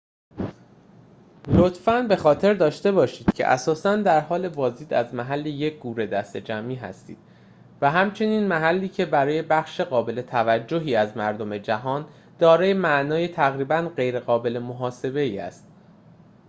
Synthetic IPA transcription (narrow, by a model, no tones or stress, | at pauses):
lot̪fænbe̞xɒːt̪ʰe̞ɾd̪ɒːʃt̪e̞bɒːʃiːd̪̥cʰe̞̰ʔæ̰sɒːsænd̪æɾɦɒːle̞vɒːziːd̪æzmæɦælːeje̞c̚ʰɡ̥uːɾe̞d̪æst̪e̞d͡ʒæmiːɦæ̰st̪ḭːd̪̥ | væɦæmt͡ʃʰe̞niːnmæɦælːiːcʰe̞bæɾɒːje̞bæxʃe̞ɣɒːbe̞le̞t̪ʰævæd͡ʒːoɦiːæzmæɾd̪o̞me̞d͡ʒæɦɒːn | d̪̥ɒːɾɒːjemæʔnɒːje̞t̪ʰæɣɾiːbænɢe̞jɾe̞ɣɒːbe̞le̞moɦɒːse̞be̞iːæ̰st̪̚